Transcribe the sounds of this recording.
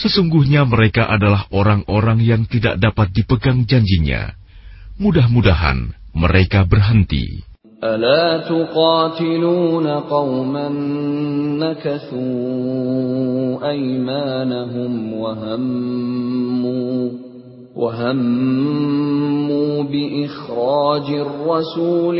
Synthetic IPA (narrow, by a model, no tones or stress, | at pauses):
səsuŋɡuhɲaməɾekaʔadalaɦoɾaŋʔoɾaŋjaŋt̪ida̰ʔ̚dapat̪̚dipəɡaŋd͡ʒaɲd͡ʒiɲa̰ | mudahmudaɦa̰nməɾekabərɦənt̪ḭ | ʔalaːt̪ʊqɑːt̪ɪluːnaqɑwmanː | akaθuː | ʔajmaːnaɦʊmwaɦamː | waɦam | uːbɪʔɪxɾɑːd͡ʒrˤːɑsuːl